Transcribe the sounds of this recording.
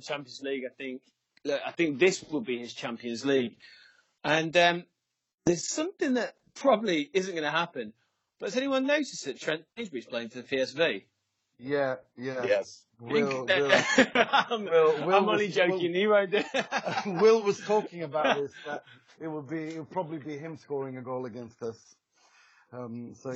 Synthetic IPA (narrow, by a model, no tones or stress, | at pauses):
t͡ʃʰãmpiə̃nzliɡaɪθɪ̃ŋk̚ | laaɪθɪ̃ŋk̚ðɪswəd̚biɪz̥t͡ʃʰãmpiɨ̃nzliɡ | ə̃nʌ̃m | ðəz̥sʌ̃mθɪ̃ŋðət̚pʰɹ̥ɑbəbliɪzə̃nɡ̥ʌnəɦapɨ̃n | b̥ʌtəzɛniwʌ̃nːoʊtɪsðɨtʰɹ̥ɛ̃nẽɪ̃nd͡ʒwiz̥pʰl̥eɪɪ̃ŋfəðəpʰiɛsvi | jæjæjɛs | w̃lˠ | ãmɪlˠwɪãɪ̃mə̃nlid͡ʒoʊkɨ̃niɹãɪ̃nə | wɪlˠwʌz̥tʰɔˑkɪ̃ŋəbaʊʔ̚ðɪsət | ɪt̚wəd̚biɪtwəpʰɹ̥ɒbəblibiɦɪ̃mskɔːɹɪ̃ŋəɡoʊlˠəɡɛ̃nstʌs | ʌ̃msoʊ